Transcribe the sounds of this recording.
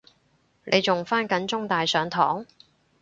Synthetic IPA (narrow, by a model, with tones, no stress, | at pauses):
nʔe˨˧jt͡sʊ˨ŋfaː˥nkɐ˨˥nt͡sʊ˥ŋt̪aː˨jsœː˨˧ŋt̪ʰɔː˨˥ŋ